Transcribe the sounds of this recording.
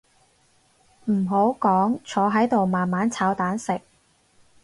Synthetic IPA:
m̩˨˩ɦo˨˥wkɔː˨˥ŋt͡ʃʰɔː˨˧ɦɐ˨˥jt̪o˨wmaː˨nmaː˨˥nt͡sʰaː˨˧wt̪aː˨˥nsɪ˨k̚

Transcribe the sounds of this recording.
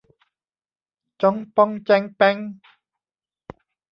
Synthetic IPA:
t͡ɕɔ˧˥ŋpɔ˧ŋt͡ɕɛ˧˩ŋpɛ˧˩ŋ

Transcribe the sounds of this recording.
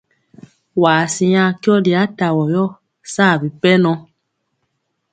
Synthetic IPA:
waː˨sĩ˧jã˧ki˦ɔ˦di˨˧a˨˦ta˨wɔ˨jɔ˦ | saː˦˨bi˨pɛ˦nɔ̃˧

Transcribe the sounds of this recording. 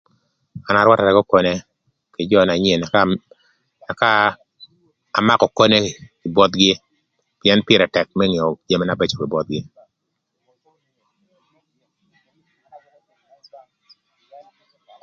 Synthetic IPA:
a˨na˦ɾwa˦ta˨ɾɛ˨ɡɔ˦kɔ˦ne˦ | kɪ˨d͡ʒɔ˦˨na˨ɲ˦e˨n˨ | a˨ka˦˨ | ma˦kɔ˨kɔ˦ne˦kɪ˨bɔ˦t̪ɡɪ˦ | pɪɛ˦npɪ˦ɾɛ˨tɛ˨k̚mɛ˦ŋ˨o˨d͡ʒe˦mɛ˦na˨bɛ˦t͡ʃo˨kɪ˨bɔ˦t̪̚ɡɪ˦

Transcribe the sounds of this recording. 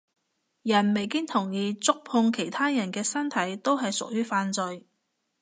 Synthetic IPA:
jɐ˨˩nme˨jkɪ˥ŋt̪ʰʊ˨˩ŋjiː˨˧t͡sʊ˥k̚pʰʊ˧ŋkʰe˨˩jt̪ʰaː˥jɐ˨˩nkɛː˧sɐ˥nt̪ʰɐ˨˥jt̪o˥wɦɐ˨jsʊ̰˨k̚jyː˥faː˧nt͡sɵ˧j

